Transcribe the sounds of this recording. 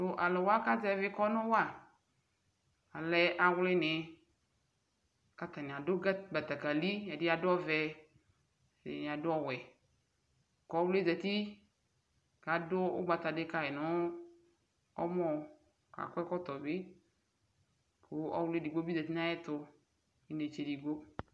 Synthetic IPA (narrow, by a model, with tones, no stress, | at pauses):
tʊ˦ʔa˨lɛ˨wo˦a˦ka˦d͡ʒɛ˦vɪ˦kɔ˦nʊ̃˦wa˨ | a˨lɛ˦ʔa˨wlɪ˦nɪ̃˨ | ka˦t̪a˨nɪ˨a˨dʊ˦ɡa˦ɡ͡ba˨t̪a˨ka˨li˦ɛ˨dɪ˦a˨dʊ˦ɔ˦vɛ˦ | ḛ˨nɪ̃˨a˨dʊ˦ɔ˦wɛ˨ | kɔ˨˦wle˦dɛ˨t̪i˦ | ka˨dʊ˦ʊ˦ɡ͡ba˨t̪a˨dɪ˦ka˦ɛ˨nʊ˦ | ɔ˦mɔ˨ | ka̰˨kʷɛ˦kɔ˦t̪ɔ˨bɪ˦ | kʰʊ˦ɔ̰˦wlɪ˦di˨ɡ͡bo˦bi˦da˨t̪i˦n˦ã˦jɪ˦t̪ʊ˦ | i˦ne˨t͡ʃe˨di˨ɡ͡bo˦